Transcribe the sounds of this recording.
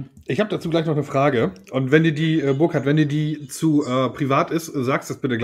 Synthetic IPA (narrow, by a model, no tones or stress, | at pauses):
ʔɪçhaːbəd̥at͡suːɡlaɪçnɔχnəfʁ̥aːɡəʔʊntv̥ɛndiːɐdiːʔɛːbʊɐkhaɐtv̥ɛnduːdiːt͡suʔɛːpʁ̥ivaːtɪstzaːkstd̥asb̥ɪtəɡl